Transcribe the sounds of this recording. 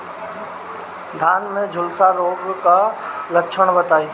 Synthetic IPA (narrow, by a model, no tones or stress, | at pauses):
d̪ʱaːnmẽd͡ʒʱʊlsaɾoːbkaləkʃʰəɽ̃bət̪aːiː